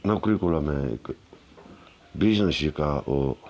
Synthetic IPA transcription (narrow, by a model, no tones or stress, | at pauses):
nakɾikolamḛk | bisnãsikaʔo